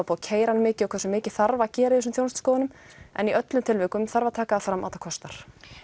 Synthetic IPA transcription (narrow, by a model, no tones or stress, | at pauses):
pocʰeːjɾanmɪːcɪɔkʰvɛrsʏmɪːcɪθarvacɛːɾɪɪs̬ʏmθjownst̪skoːwɪnʏm | ɛ̰niʔœt̪lʏmt̪ʰɪlveːjkʏmθaɾvat̪ʰaːkaːfɾamʔaːt̪akʰɔst̪aɾ̥